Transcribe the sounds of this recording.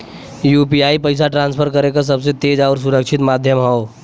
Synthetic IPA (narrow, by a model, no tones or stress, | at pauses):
juːpiaːipəɪs̬aʈɾãnspʰəɾkəɾekas̬əbs̬et̪eːd͡ʒaʊɾs̬uɾəkʃʰɪt̪maːd̪ʱjəmɦɔo